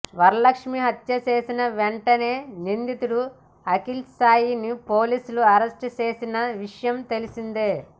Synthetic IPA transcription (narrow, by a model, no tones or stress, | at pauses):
ʋɐɾɐlɐkʂmiɦɐt̪jɐt͡ʃe̞ːsinɐʋeɳʈɐne̞ːnind̪it̪uɽu | ɐkilsaːjinipoːliːsuluɐɾesʈt͡ʃe̞ːsinɐʋiʂɐjɐmt̪e̞lisind̪eː